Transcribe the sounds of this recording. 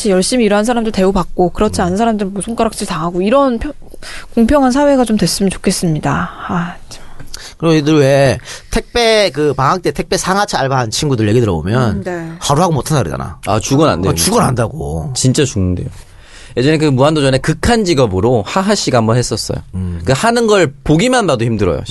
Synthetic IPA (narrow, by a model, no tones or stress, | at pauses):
ɕʰijʌɭɕ͈imiːɾʌɦansʰaɾamndɯɭte̞opak̚k͈okɯɾʌt͡ɕʰianɯnsʰaɾamndɯɾɯmusʰoŋk͈aɾak̚t͡ɕ͈ʰiɾitaŋɦaɡoiɾʌnpʰjʌ | koŋpʰjʌŋɦansʰawe̞ɡat͡ɕomdwe̞s͈ɯmɯnt͡ɕo̥kʰe̞s͈ɯmɲidaat͡ɕkkɯɾioidɯɭwetʰek̚p͈e̞kɯpaŋɦak̚t͈etʰek̚p͈e̞sʰaŋɦat͡ɕʰiaɭbant͡ɕʰinɡudɯɭje̞ɡidɯɾʌbo̰mjʌnne̞haɾuɦaɡomotʰandaɾḭd͡ʑa̰na̰a̰t͡ɕuɡʌna̰ndet͡ɕuɡʌnɦandaɡo̰t͡ɕint͡ɕ͈at͡ɕuŋnde̞̰jo | je̞d͡ʑʌnek̬ɯmuandod͡ʑʌne̞kɯkʰand͡ʑiɡʌbɯɾohaɦaɕ͈iɡaɦambʌnɦe̞s͈ʌs͈ʌ̰jo̰kɯhanɯnɡʌɭpoɡimanbadoçimdɯɾʌ̰jo̰